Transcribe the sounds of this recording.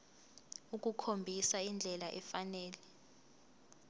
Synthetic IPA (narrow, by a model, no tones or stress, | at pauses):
ukʼukʰombʱisaind͡ɮʱɛlaʔɛfanɛːlɛ